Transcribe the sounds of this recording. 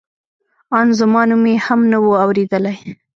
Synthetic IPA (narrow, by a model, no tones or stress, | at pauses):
ɑnzamɑnumehamnawoawɾed̪əlaj